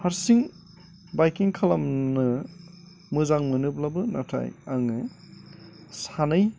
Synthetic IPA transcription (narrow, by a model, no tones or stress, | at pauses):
haɾsiŋ | bajkiŋkʰalamnɯ | mɯzaŋmɯnɯblabɯnatʰa̰jaŋɯ | sanɯj